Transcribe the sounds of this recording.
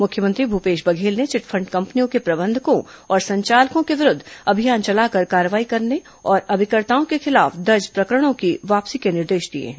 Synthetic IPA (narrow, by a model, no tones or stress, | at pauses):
mʊkʰjəmə̃nt̪ɾibʱupeːʃbɐɡʱeːlnet͡ʃɪʈfʰɐ̃ɳɖkɐ̃mpnijõkepɾɐbə̃nd̪ʱkõɔːɾsɐ̃ɲt͡ʃaːlkõkeʋɪɾʊd̪ʱɐbʱijaːnt͡ʃɐlaːkɐɾkaːɾəʋaːikɐɾne | ɔːɾɐbʱɪkəɾt̪aːõkexɪlaːfd̪ɐɾd͡ʒpɾɐkɾəɽ̃õkiʋaːpsikenɪɾd̪eːʃd̪iḛɦɛ̃